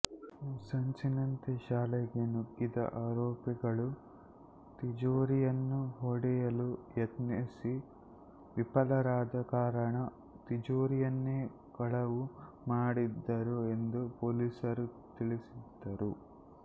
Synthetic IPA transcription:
sɐɲt͡ʃinɐnt̪iʃaːlɛɡenuɡːid̪ɐ̰ʔaːɾoːpiɡɐɭu | t̪id͡ʒoːɾijɐnːuɦoɽijɐlujet̪nisi | ʋipɐlɐɾaːd̪ɐkaːɾɐɳɐ | t̪id͡ʒoːɾijɐnːeː | kɐɭɐʋu | maːɽid̪ːɐɾue̞nd̪upoːliːsɐɾut̪iɭisid̪ːɐɾu

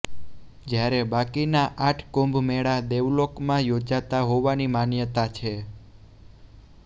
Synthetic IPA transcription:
d͡ʒjaɾebakinaʔaʈʰkõmbʱmeɭad̪eʋlokmãjod͡ʒat̪aɦoʋanimanjət̪at͡ʃʰe

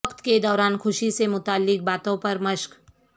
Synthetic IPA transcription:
kt̪ked̪ɔːɾaːnxʰʊʃisemʊt̪aːlːɪk̚baːt̪õpɐɾmɐʃk

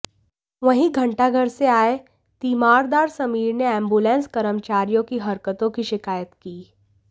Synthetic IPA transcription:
ʋɐɦĩɡʱɐ̃ɳʈaɡʱəɾseaːe | t̪iːmaːɾd̪aːɾsɐmiːɾneɛ̃ːmbuːlɛ̃ːnskɐɾəmt͡ʃaːɾijõkiɦɐɾkət̪õkiʃɪkaːjət̪kiː

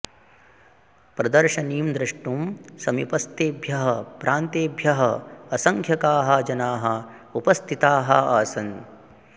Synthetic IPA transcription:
pɾɐd̪ɐɾʃɐniːmd̪ɾɐʂʈumsɐmipɐst̪eːbʱjɐɦɐpɾʔaːnt̪eːbʱjɐɦɐɐsɐŋkʰjɐkaːɦɐ̆d͡ʒɐnaːɦɐ | upɐst̪ʰit̪aːɦɐ̰aːsɐn

